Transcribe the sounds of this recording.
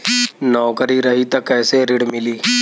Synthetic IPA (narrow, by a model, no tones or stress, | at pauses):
nɔːkəɾiɾɐɦit̪ɐkːɛːseɾɪɽmɪliː